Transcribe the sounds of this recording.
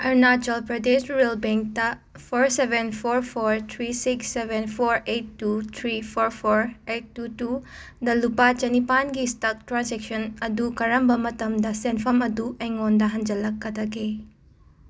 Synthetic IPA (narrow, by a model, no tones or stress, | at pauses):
ɐɾnat͡ʃɐlpɾɐdesɾelbeŋk̚tɐ | pʰoɾsebenpʰoɾpʰoɾt̪ʰɾisiksːebenpʰoɾetːut̪ʰɾipʰoɾpʰoɾet̚ːutu | dɐlupat͡ʃɐnipanɡistɐk̚tɾansek̚sɐnɐdukɐɾɐmbɐmɐtɐmdɐsenpʰɐmɐdueŋondɐɦɐnd͡ʒɐlɐkːɐdɐkʰe